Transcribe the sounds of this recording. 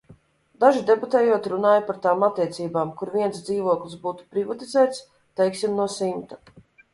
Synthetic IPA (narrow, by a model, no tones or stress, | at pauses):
d̪aʒid̪ɛbut̪ɛːjuɔt̪ɾunaːjpaɾt̪aːmat̪ːiɛt̪siːbaːmkuɾviɛnsd̪ziːvuɔklʲisbuːt̪u̥pɾivat̪izæːt̪s | t̪ɛjksimnuɔsimt̪ḁ